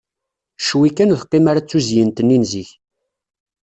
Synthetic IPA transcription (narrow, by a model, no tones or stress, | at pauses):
ʃwikːænðəqːemaɾat͡sːuzjənt̪ənːinziç